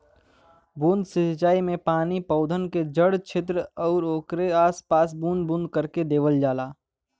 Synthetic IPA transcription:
bũːnd̪sɪt͡ʃaːimẽpaːnipəʊd̪ʱənked͡ʒəɽt͡ʃʰet̪̬ɾəɔːɾoːkɾeaːspaːs̬bũːnd̪bũnd̪̚kəɾked̪eːʋəld͡ʒaːlaː

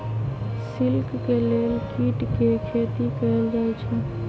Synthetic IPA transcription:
sɪlkkeleːlkiʈkekʰet̪ikəɾəld͡ʒaɛt͡ʃʰɛ

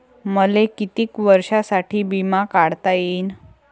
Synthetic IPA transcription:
məlekit̪iːkʋəɾʂasaʈʰiːbimakaɽt̪ajeːn

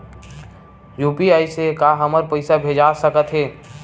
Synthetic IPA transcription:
juːpiaːisekaɦəməɾpəɪsabʱeːd͡ʒaːsəkət̪ɦɛː

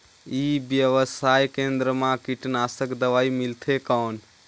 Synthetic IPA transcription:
iːbjəʋəsaːjkẽnd̪ɾəmãkiʈnaːsəkd̪əʋaːimɪlt̪ʰekɔːn

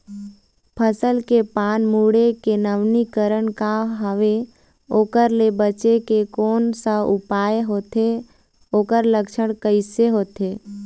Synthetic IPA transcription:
pʰəsəlkepaːnmuːɽekenəʋnikəɾəɽkaɦəʋe | oːkəɾlebət͡ʃekekoːnsəʊpaːeɦoːt̪e | oːkəɾləkʃəɽ̃kəɪseɦoːt̪eː

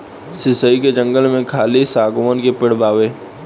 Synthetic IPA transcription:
sɪsəiked͡ʒə̃ŋɡəlmẽkʰaːlisaːɡomənkepɪɽ̤baːʋeː

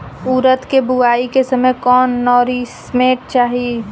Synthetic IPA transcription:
uːɾət̪kebʊaːikesəməjkɔːnːɔːɾismeːʈ̚t͡ʃaːɦi

